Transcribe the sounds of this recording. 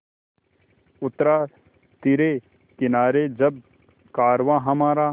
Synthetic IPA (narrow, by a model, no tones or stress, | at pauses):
ʊt̪ɾaː | t̪ɪɾeː | kɪnaːɾed͡ʒɐb̚ | kaːɾʋãːɦɐmaːɾaː